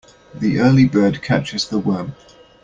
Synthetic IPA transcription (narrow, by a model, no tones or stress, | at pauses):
ðiʔɜːlibɜːd̚kʰa̰t͡ʃɪzðəwɜːm